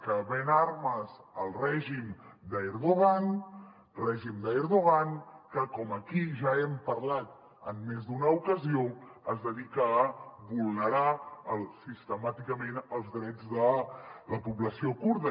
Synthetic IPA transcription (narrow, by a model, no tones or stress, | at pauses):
kəβɛnaɾməzəlˠrɛʒimd̪əeɾðuɣan | rɛʒimd̪əɛɾðuɣankəkɔməkiʒaɛmpəɾlat̪̚ | əmːezd̪unəukəzioəzðəðikəːβulˠnəɾaəlˠsist̪əmat̪ikəmenəlˠzd̪ɾɛd͡zðələpuβləsiokuɾðə